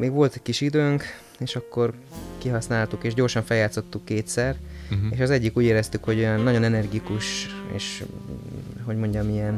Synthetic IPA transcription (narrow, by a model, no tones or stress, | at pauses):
meːɡʋo̞lt̪ɛcʲkːiʃid̪øːŋk | eːʃɒkːo̞r | kiɦɒsnaːlt̪ukeːʒɟo̞ːrʃɒɱfɛljaːt̪so̞t̪ːukːeːt̪sɛreːʃɒzɛɟːikuːɟeːɾɛst̪ykho̞ɟo̞jɒnːɒɟo̞nɛnɛrɡikuʃḛːʃ | ɦo̞ɟmo̞ɲɟɒmijɛn